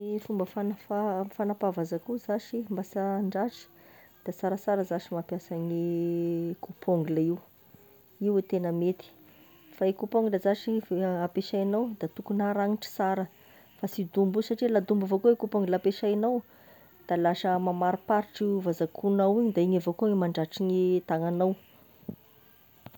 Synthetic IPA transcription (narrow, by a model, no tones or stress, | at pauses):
ifumbəfanafafanapavazakuzaʃimbasaɳɖ͡ʐaʈ͡ʂi̥ | d̪̥asaɾəsaɾəzaʃimapjasaɲi | kupʰoŋɡləiw | iwet̪enəmet̪i̥ | faekupoŋɡuləzaʃiapeʃainawd̪̥at̪ukunaɾaŋiʈ͡ʂi̥saɾə | fasid̪umbusaʈ͡ʂilad̪umbavokuekupoŋɡulapeʃainaw | d̪̥alaʃəmamaɾipaɾiʈ͡ʂiwvazakʰunawiɲid̪aiɲavokuŋimaɳɖ͡ʐaʈ͡ʂiɲit̪aŋanaw